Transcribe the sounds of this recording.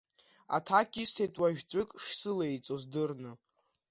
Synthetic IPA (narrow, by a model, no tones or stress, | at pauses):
a̰tʰakʲʼistʰejtʼwaʒᶣʲt͡sʷʼɨkʼʂsɨlejt͡sʼozdɨrnɨ